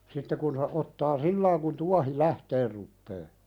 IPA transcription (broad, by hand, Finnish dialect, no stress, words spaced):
sitːe kun se ʔotːɑː silːɑiŋ kun tuɑhi læhteːr rupːeː